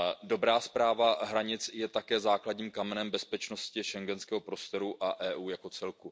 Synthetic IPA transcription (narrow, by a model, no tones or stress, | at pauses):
do̞bɾaːspɾaːvaɦɾaɲɪt͡sjɛt̪akɛːzaːkladɲiːmkamɛnɛmbɛspɛt͡ʃno̞scɪʃɛŋɡɛnskɛːɦo̞pɾo̞st̪oɾuʔaʔɛːʔuːjako̞t͡sɛlku